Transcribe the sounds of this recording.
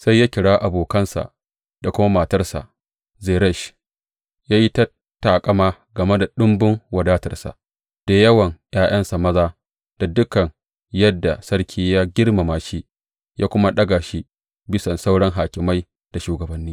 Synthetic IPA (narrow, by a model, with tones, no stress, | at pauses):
sa˦jːaː˦kʲɪ˨ɽaː˦ʔa˨boː˨kɐ˦nsa̰˨ʔ | da˨kʷʊ˦ma˦maː˨tɐ˦rsa̰˨ʔ | zeː˨ɾɛ˦ʃ | jaː˦ji˦ta˦ | taː˨kʼɐ˦maː˦ | ɡɐ˨me˦da˨ɗʊ˦mbʊ˦ŋwɐ˨daː˦tɐ̰˨rsa̰˨ʔ | d̥a˨jɐ˦wɐ˨ŋj̰aː˦j̰ɐ˦nsa˨mɐ˦zaː˦ | d̥a˨dʊ˦kɐ˨ŋ | jɐ˦dːa˨sɐ˦rkʲʰiː˦jaː˦ɡʲɪ˦rma˨maː˨ʃiː˦ | jaː˦kʷʊ˦ma˦ɗɐ˦ɡaː˨ʃi˦ | bɪ˦sɐ˨nsa˦wɽɐ˦ŋɦaː˨kʲɪ˨ma˦j | d̥a˨ʃuː˨ɡɐ˨bɐ˨nːiː˦